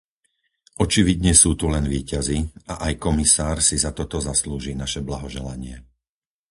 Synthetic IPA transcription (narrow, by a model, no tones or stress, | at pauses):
ɔt͡ʃiʋid̪ɲɛsuːt̪ulɛnʋiːcaziaʔajkɔmisaːɾsizat̪ɔt̪ɔzasluːʒiːnaʃɛblaɦɔʒɛlaɲɪɛ